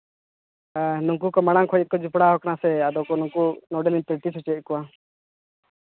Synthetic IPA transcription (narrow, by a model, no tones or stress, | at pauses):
nuŋkukɔmaɽ̃aŋkʰɔjɛkɔd͡ʒupɽaɦɔknasɛad̪ɔkɔnuŋkunɔɖɛlint̪əɾʈisʰɔt͡ʃɛt̚kɔwa